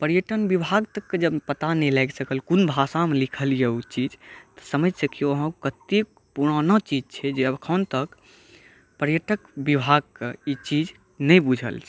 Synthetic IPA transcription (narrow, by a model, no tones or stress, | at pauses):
pəɾjəʈənbibʱaɡt̪əkːed͡ʒəbpət̪anɛlɛɡsəkəlkunbʱasamelikʰəlijɛut͡ʃid͡ʒt̪ɔ̥səməd͡ʒsəkioɦə̃kət̪e | puɽ̃ənət͡ʃid͡ʒt͡ʃʰɛd͡ʒeəbkʰənt̪ək | pəɾjəʈəkbibʱaɡ̚keit͡ʃid͡ʒ | nɛjbud͡ʒʱə̰lt͡ʃʰɛ̥